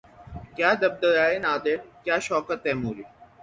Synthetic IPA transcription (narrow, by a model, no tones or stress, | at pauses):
kjaːd̪ɐb̚d̪əɾaːenaːd̪eɽkjaːʃɔːkət̪ɛːmuːɾi